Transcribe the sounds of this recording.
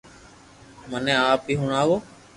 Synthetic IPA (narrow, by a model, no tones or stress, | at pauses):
mənẽːaːp̚iːɦʊɳaːʋoː